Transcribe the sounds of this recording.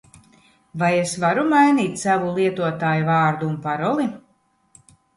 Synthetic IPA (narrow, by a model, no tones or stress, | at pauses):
vajesvaɾumajniːt̪ʲsavulˠiɛt̪uɔt̪aːjuvaːɾd̪uːnpaɾɔlˠi